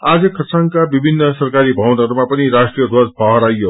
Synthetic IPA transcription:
ad͡zʌkʰʌsaŋkabibʱinːʌsʌrkaɾibʱʌwnʌɾumapʌniɾasʈrijʌd̪ʱwʌrbʱʌɦʌɾajo

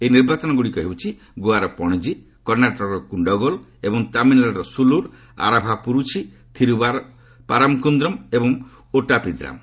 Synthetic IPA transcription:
ejniɾbat͡ʃɔnɔɡuɽikɔɦiwt͡ʃʰi | ɡoaɾɔpɔɽ̃ɔd͡ʒi | kɔɾnaʈɔɾɔkuɳɖɔɡɔlebɔŋt̪aminlaɾɔsuluɾ | a̰ɾabʱapuɾut͡ʃʰi | t̪ʰiɾubaɾ | paɾamkund̪ɾɔmebɔŋ | oʈapid̪ɾa̰m

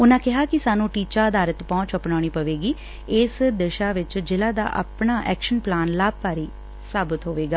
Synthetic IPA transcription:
ʊnãːkɪɦaːkɪsaːnũːʈiːt͡ʃaːəd̪aːɾət̪pɔ̃ːt͡ʃəpɳaːɽ̃iːpəʋeːɡiː | ɪsd̪əʃaːʋɪt͡ʃd͡ʒɪlaːd̪a̰ːʔa̰pɳaːʔɛ̰ːkʃənplaːnlaːb̚paːɾiː | saːbət̪ɦoːʋeːɡaː

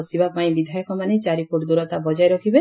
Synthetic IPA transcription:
sibapaĩbid̪ʱajɔkɔmanet͡ʃaɾipoʈd̪uɾɔt̪abɔd͡ʒajɾɔkʰibe

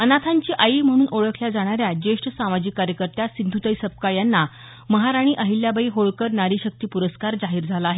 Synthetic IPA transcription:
ənat̪ʰaɲt͡ɕiːʔaim̤əɽ̃uːnʔoɭəkʰljad͡zaɽ̃aɾjad͡ʑeʂʈəsamad͡ʑiːkːaɾjəkəɾt̪jasind̪ʱut̪əjsəp̚kajanːa | məɦaɾaɽ̃iːʔəɦiljabəiːɦoɭkəɾnaɾiːɕək̚t̪iːpuɾəskaɾd͡zaɦiːɾd͡zʱalaːɦe

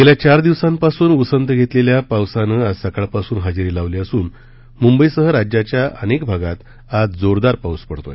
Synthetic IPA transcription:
t̪eljat͡ɕaɾd̪iʋsãmpasuːnusənt̪əɡʱet̪leljapawsanəad͡zsəkaɭpasuːnɦad͡zɾilaʋliəsuːn | mumbəisəɦəɾad͡ʑjat͡ɕjaʔə̰nekbʱaɡat̪ | ad͡zd͡zoɾd̪aɾpawspəɽt̪o̰j

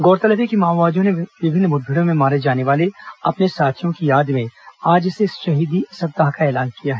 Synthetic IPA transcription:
ɡɔːɾt̪ɐləbekimaːʋaːd͡ʒõneʋɪbʱɪnːbʊd̪̚bʱɪɽõmẽmaːɾed͡ʒaːneʋaːleɐpnesaːt͡ʃʰjõkijaːd̪mẽaːd͡ʒseʃɐɦiːd̪isɐd̪aɦkaɛːlaːnkijaɦɛː

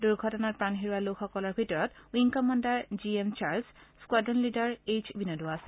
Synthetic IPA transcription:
duɹɡʱɔtɔnatpɹanɦiɹuwalokxɔkɔlɔɹbʱitɔɹɔtuiŋkɔmɔndaɹziemt͡ʃaɹlsskwadɔnlidaɹejt͡ʃbinɔduasɛ̥

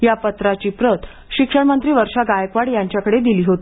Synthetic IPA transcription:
japət̪ɾat͡ɕiːpɾət̪ʰ | ɕikʂəɽmənt̪ɾiːʋəɾʂaɡajəkʋaɽjaɲt͡ɕjakəɽed̪iliːɦot̪i

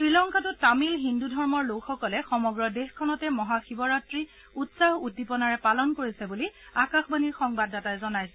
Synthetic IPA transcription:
tɹilɔŋkʰatʊtamilɦindudʱɔɹmɔɹlokxɔkɔlɛxɔmɔɡɹɔdexkʰːɔnɔtɛmɔɦaxibɔɹatɹi | utsaɦutːipɔnaɹɛpalɔnkoɹisɛbuliakaxbaniɹxɔŋbadːatajzɔnajsɛ

